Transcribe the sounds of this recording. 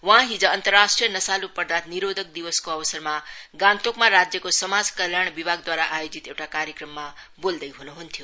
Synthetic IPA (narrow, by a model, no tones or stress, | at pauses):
wʌɦãɦid͡zʌːnt̪ʌrːasʈrijʌnʌsalupʌrd̪ʱat̪niɾod̪ʱʌk̚d̪iwʌskoʌbəsʌrmaɡãnt̪okmaɾad͡zjʌkosʌmad͡zkʌljaɳ̃bibʱaɡd̪waɾaʔajod͡zit̪ewʈakaɾjəkrʌmːa | bold̪ʌjɦunuɦunt̪ʰjo